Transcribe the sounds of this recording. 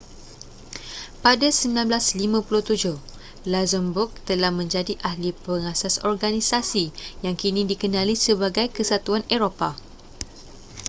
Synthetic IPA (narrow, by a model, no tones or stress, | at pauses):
padasəmilanblaslimãpuluht̪ud͡ʒʊh | lazəmbʊk̚t̪əlahmə̃ɲd͡ʒadiʔahlipəŋasasɔrɡanisasijaŋkinĩdikənãlisəbaɡajkəsat̪uaneɾopa